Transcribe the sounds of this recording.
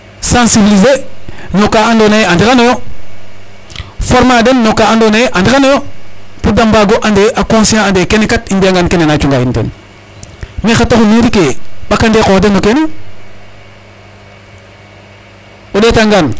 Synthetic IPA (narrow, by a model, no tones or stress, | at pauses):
sãnsibilizenokaandonajandikanojo | foɾmadenːokaandonajeʔandikanojopudambaɡoʔãndeʔakõsiãandekenekatinbiaŋɡankenenat͡ʃuŋɡaintḛn | mixatoxumiɾikeɓakandekoːdenːokene | odetaŋɡan